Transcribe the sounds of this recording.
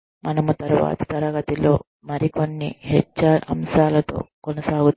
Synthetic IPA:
mɐnɐmut̪ɐɾuʋa̰ːt̪ɐ̥t̪ɐɾɐɡɐt̪ilo̞ː | mɐɾiko̞nːḭɦet͡ʃːɐɐ̰mʃaːlɐt̪o̞̰ːkonɐsaːɡut

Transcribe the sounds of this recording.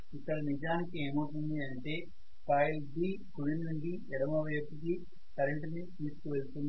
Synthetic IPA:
ik̪ːɐɾɐnid͡ʒaːnikieːmoːʈund̪iɐɳʈe̞ː | paːjlbiː | ɡuɽinuɳɖi | ɛɽɐmɐʋɐjɐpːiki | kɐɾeɳʈnit̪iːsu̥kuʋelt̪und̪i

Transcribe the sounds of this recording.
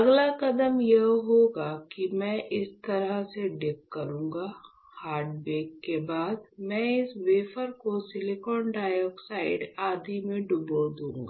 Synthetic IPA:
ɐɡlakɐd̪əmjɐɦɦoɡakimɛ̃ʔɪst̪ɐɾəseɖɪp̚kɐɾũːŋɡa | haːɾɖbeːkːebaːd̪mɛ̃ɪsʋeːfəɾkosɪlɪkɔːnɖaːjɔːksaːɪɖaːd̪ʱimẽɖʊbod̪ũːŋɡaː

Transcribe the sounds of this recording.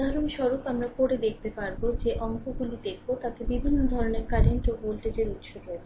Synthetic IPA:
d̪ʱaɾonʃɔɾopamɾakoɾed̪ekʰt̪epaɾbod͡ʑeʔɔŋkoɡulid̪ekʰbot̪ak̪ebibʱinːod̪ʱɔɾoneɾkaɾeɳʈobolʈed͡ʑeɾut̪ːʃʰokoet͡ɕʰ

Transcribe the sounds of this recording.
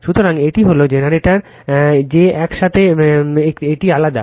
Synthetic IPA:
ʃut̪oɾaŋeʈiɦolod͡ʑenaɾeʈaɾ | d͡ʑeɛkʃat̪ʰeeeʈialad̪a̰

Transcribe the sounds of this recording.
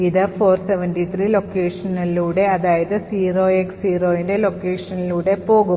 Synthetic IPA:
iðɨfo̞ːrseʋɐnʈit̪ʰriːlo̞kːe̞ːʂɐnɐluːɽe̞ɐðaːjɐðɨsiːroːeksiːroːjinde̞lo̞kːe̞ːʂɐnɐluːɽe̞po̞ːɣu

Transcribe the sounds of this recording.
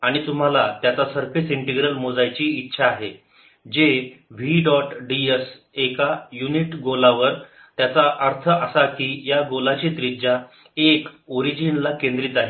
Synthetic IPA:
aɽ̃it̪um̤alat̪jat͡sasəɾfisiɳʈiɡɾəlmod͡zajt͡ɕiːtːɕʰaːɦe | d͡ʑeʋiɖɔʈɖies | ekajuniʈɡolaʋəɾ | t̪jat͡saʔəɾt̪ʰəʔəsakiːjaɡolat͡ɕet̪ɾid͡ʑa | ekoɾid͡ʑinlakẽnd̪ɾiːt̪aɦe

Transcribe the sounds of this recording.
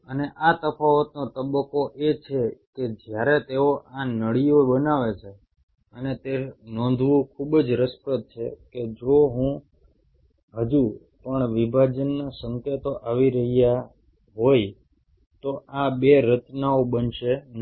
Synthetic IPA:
əneʔat̪əfaʋət̪not̪əbəkoʔet͡ʃʰeked͡ʒjaɾet̪eoʔanəɭijoɓənaʋet͡ʃʰe | ənet̪enɔ̃nd̪ʱʋũkʰubd͡ʒɾəspət̪̚t͡ʃʰḛked͡ʒoɦũ | ɦəd͡ʒu | pəɳʋibʱad͡ʒənːasəŋket̪oʔaʋiɾəɦija | ɦoj | t̪oʔabeɾət̪naobənʃen

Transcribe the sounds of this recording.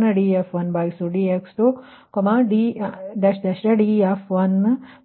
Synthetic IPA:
nɐɖiefʋɐnbaːjisuɖieksʈu | komaɖid̪ɐʃd̪ɐʃɾɐɖiafʋɐn

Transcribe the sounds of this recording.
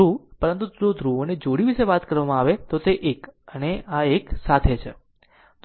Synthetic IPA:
upəɾənt̪̬ud͡ʒod̪ʱɾuoned͡ʒoɽiʋiʃeʋat̪kəɾʋamãaʋet̪ot̪eʔekəneʔaeksat̪ʰet͡ʃʰe | t̪

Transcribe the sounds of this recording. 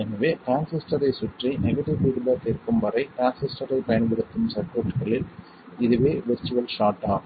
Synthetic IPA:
ɛnɐʋeːʈaːnsɪsʈɐɾɐɪsʊʈrɐɪnɛɣɐʈɪʋʋiːɽɯlɐt̪eːɾkɯmʋɐɾɐɪʈaːnsɪsʈɐɾɐɪpɐjɐnɽɯɣɐt̪ːɯmsɐpːoːʈɣɐɭɪl | ɪðɯʋeːʋɛst͡ʃːɯʋɐlʃaːʈːaː

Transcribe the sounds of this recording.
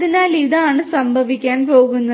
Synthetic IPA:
inaːliðaːɳɨsɐmbʱɐʋikʲːaːnpoːɡunːɐ

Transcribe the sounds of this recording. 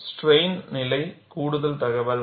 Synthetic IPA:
sʈreɪnnɪlɐɪkuːɽʊðɐlt̪ɐɣɐʋɐl

